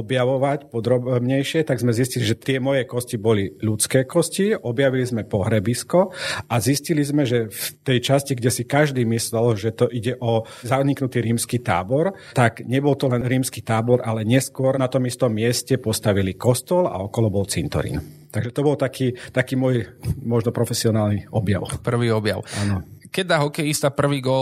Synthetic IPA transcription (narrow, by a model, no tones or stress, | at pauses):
ɔbjaʋɔʋacpɔd̪ɾɔbbɲɛjʃɪɛt̪aɡzmɛzisciliʒɛt̪ɪɛmɔjɛkɔscibɔliʎut͡skɛːkɔsciɔbjaʋilizmɛpɔɦɾɛbiskɔʔaziscilizmɛʒɛft̪ɛjt͡ʃasciɡɟɛsikaʒd̪iːmislɛlʒɛt̪ɔʔiɟɛʔɔzaɲiknut̪iːɾiːmskiːt̪a̰ːbɔɾ | t̪aɡɲɛbɔlt̪ɔlɛnɾiːmskiːt̪aːbɔɾalɛɲɛskʊɔɾnat̪ɔmist̪ɔmːɪɛscɛpɔst̪aʋilikɔst̪ɔla̰ɔkɔlɔbɔlt͡sint̪ɔ̰ɾḭn | t̪aɡʒɛt̪ɔbɔlt̪akʰiːt̪akiːmʊɔjmɔʒnɔpɾɔfɛsiɔnaːlniɔbja̰ʊpr̩ʋiːɔbjaʊanɔkɛd̪aɦɔkɛjist̪apr̩ʋiːɡɔl